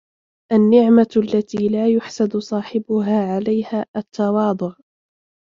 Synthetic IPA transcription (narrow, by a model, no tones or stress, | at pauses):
ʔanːɪʕmalːat̪iːlaːjʊħsad̪ʊsˤɑːħɪbʊɦaːʕalajhaːʔat̪ʰːɑwɑːd̪ˤʊʕ